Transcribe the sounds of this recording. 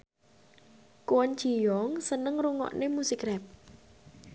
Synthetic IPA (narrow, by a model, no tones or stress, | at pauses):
kuənt͡ʃi̤jɔŋsənəŋruŋɔ̰ʔnemusikɾɛp̚